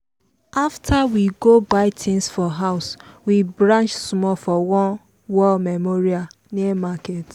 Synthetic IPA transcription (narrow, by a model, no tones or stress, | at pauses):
aftʰawiɡobaɪtʰɪ̃nsfɔɦaʊswibɾãnt͡ʃsmɔfɔwɔ̃n | wɔlmemoɾia | nemaket